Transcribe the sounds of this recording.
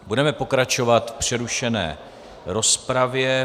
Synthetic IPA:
budɛmɛpo̞kɾat͡ʃo̞vat̪fpr̝̥ɛɾuʃɛnɛ̰ː | ɾo̞spɾavjɛ

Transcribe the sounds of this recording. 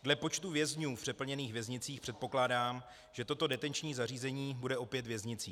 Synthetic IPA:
dlɛpo̞t͡ʃt̪uvjɛzɲuːfpr̥ɛpl̩ɲɛniːxvjɛzɲɪt͡siːxpr̥ɛt̪po̞klaːdaːm | ʒ̥ɛt̪o̞t̪o̞dɛt̪ɛnt͡ʃɲiːzariːzɛɲiːbudɛʔo̞pjɛt̪vjɛzɲɪt͡siː

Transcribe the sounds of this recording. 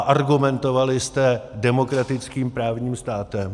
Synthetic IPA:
ʔaɾɡumɛnt̪ovalɪst̪ɛdɛmo̞kɾat̪ɪt͡skiːmpɾaːvɲiːmst̪aːt̪ɛm

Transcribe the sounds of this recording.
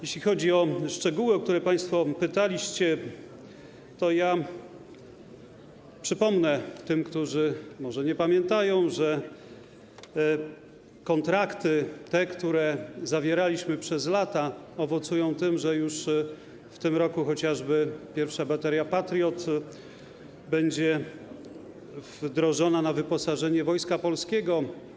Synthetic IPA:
jeɕlʲixɔd͡ʑiɔʂt͡ʂɛɡuwɘɔk̚t̪uɾɛpaj̃st̪fɔpɘt̪alʲiɕt͡ɕɛ | t̪ɔja | pʂɘpɔmnɛt̪ɘmkt̪uʐɘmɔʐɛɲɛpamʲjɛnt̪ajɔ̃w̃ʐɛ | kɔnt̪ɾakt̪ɘt̪ɛkt̪uɾɛzavʲjɛɾalʲiɕmɘpʂɛzlat̪aɔvɔt̪sujɔ̃w̃t̪ɘmʐɛjuʂ | ft̪ɘmɾɔkuxɔt͡ɕaʐbɘpʲjɛɾfʂabat̪ɛɾjapat̪ɾʲjɔt̪ | bɛɲd͡ʑɛ | vd̪ɾɔʐɔnanavɘpɔsaʐɛɲɛvɔjskapɔlskʲɛɡɔ

